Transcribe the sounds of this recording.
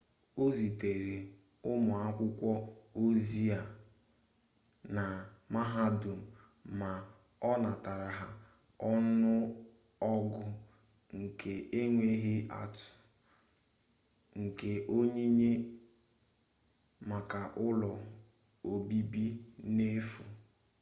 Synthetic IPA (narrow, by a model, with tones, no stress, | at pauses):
o˦zi˨te˨ɾi˨ | ʊ˦mʊ˨a˦kʷʊ˦kʷɔ˦o˦zi˦a˨ | na˨ma˦ɦa˦du˨m̩˨ | ma˨ | ɔ˦na˨ta˨ɾa˨ɦa˦ | ɔ˦nʊ˦ | ɔ˦ɡʊ˦ | ŋ̩˨kʰe˨e˦ŋʷe˦ɦe˦a̰˨tʊ̥˨ | ŋ̩˨ke˨ʔo˦ɲe˦ɲe˦ | ma˨ka˨ʔʊ˦lɔ˨ | o˨bi˦bi˦ne˦fu˨